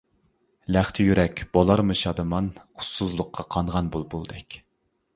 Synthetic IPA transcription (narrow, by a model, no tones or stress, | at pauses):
læχt̪ʰɪjyɾɛkʲb̥olˠɑɾmɨʃɑd̪ɨmɑnu̥suzlˠʊqʰːɑqʰɑɴʁɑnbulˠbulˠd̪ɛkʲ